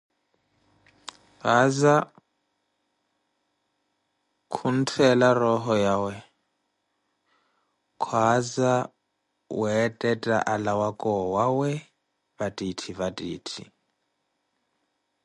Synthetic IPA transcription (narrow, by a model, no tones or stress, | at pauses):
βaza | kʰun̩tʰɛlarɔɦɔjawɛ | kʰwaza | wɛtʼɛtʼa̰ʔalawakʼɔwawɛ | βatʼitʰiβatʼiːtʰḭ